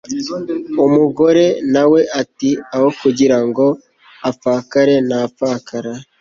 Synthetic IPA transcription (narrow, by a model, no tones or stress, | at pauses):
omuɡo̞ɾe̞nawe̞ʔatiawokuɟiɾaŋɡo̞ | afaːkaɾe̞nafaːkʰaɾa